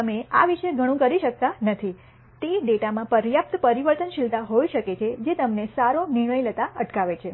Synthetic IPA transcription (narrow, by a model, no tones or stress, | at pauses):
əmeaʋiʃeɡʱəɽ̃ũkəɾiʃək̚t̪anət̪ʰi | t̪eɖeʈamãpəɾjap̚t̪pəɾiʋəɾt̪ənʃɪlt̪aɦoiʃəket͡ʃʰed͡ʒet̪əmnesaɾonɪɳ̃əjlət̪aəʈkaʋet͡ʃʰe